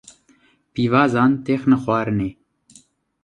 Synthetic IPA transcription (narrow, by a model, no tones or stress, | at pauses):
piːvɑːzɑːnt̪eːxnəxwɑːɾɨneː